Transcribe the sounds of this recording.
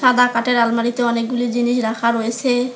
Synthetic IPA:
ãd̪ʱakaʈeɾalmaɽit̪eɔnek̚ɡuliɾd͡ʑiniʃɾakʰaɾoet͡ɕʰe

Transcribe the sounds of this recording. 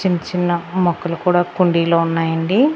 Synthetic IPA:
iɲt͡ʃinːɐmɔkːɐlukuːɽaːkuɳɖiːloːunːaːjɐɳɖi

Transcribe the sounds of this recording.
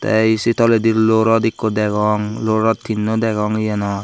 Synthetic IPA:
t̪ɛ̰isit̪ʰɔled̪iɾloɾɔd̪ikːod̪ɛɡɔŋloɾɔt̪̚t̪ʰːinːod̪ɛɡɔŋjɛnɔ

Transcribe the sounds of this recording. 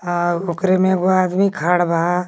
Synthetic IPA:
aokɾemẽɡoad̪mikʰaːɽbʱa

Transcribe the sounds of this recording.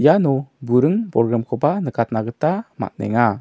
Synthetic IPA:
janɔbuɾəŋpɔɾɡɾamkʰɔbanəkat̪̚naɡət̪ama̰t̪̚nɛ̰ŋa

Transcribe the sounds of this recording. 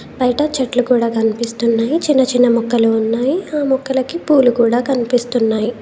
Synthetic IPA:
bɐjɐʈɐt͡ʃɐʈlukuːɽaːkɐnipist̪unːaːjit͡ʃinːɐt͡ʃinːɐmɔkːɐluːnːaːjiaːmɔkːɐlɐkipuːlukuːɽaːkɐnipist̪unːaːji

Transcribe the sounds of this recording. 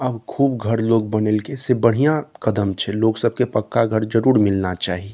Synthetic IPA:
ɐbkʰuːbɡʱɐɾloːɡbənelkesebəɽ̤ijãkəd̪əmt͡ʃʰɛloːɡsəb̚ʱkepəkːaɡʱəɾd͡ʒəɾuːɾmɪlnat͡ʃaːɦie

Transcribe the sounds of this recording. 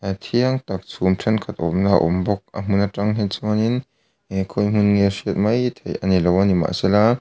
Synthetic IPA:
t̪ʰiɐŋt̪ɐk̚t͡sʰumtʰɛnkʰɐt̪̚ʔɔmnaʔɔ̰mbɔk̚a̰m̥unataŋɦɛt͡sɔnin | kʰɔjm̥unŋɛsiət̪̚mɐjt̪ʰejʔɐnilɔwanima̰ʔsɛla

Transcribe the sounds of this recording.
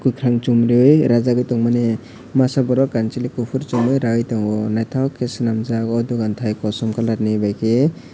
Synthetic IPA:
kujkʰɾaŋt͡ʃumɾɯjɾazaɡɯjtɔŋmane | masabɔɾɔkant͡ʃilikupʰuɾt͡ʃɔŋɯjɾawɯjtɔŋɔnajt̪ʰawkʰesnamzakɔduɡant̪ʰajkɔsɔmkalaɾnibajkʰe

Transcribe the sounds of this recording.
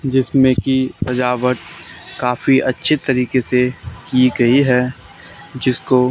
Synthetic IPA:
d͡ʒɪsmẽkipɐd͡ʒaːʋəɾt̪kaːfiɐtːʃʰit̪ɐɾiːkesekiɡɐiɦɛː | d͡ʒɪsko

